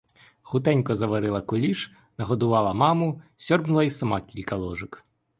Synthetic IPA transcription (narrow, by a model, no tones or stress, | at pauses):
xʊt̪ɛnʲkɔzɐʋɐɾɪlˠɐkʊlʲiʃ | nɐɦɔd̪ʊʋɑlˠɐmɑmʊsʲɔrbnʊlˠɐisɐmɑkʲilʲkɐlˠɔʒɪk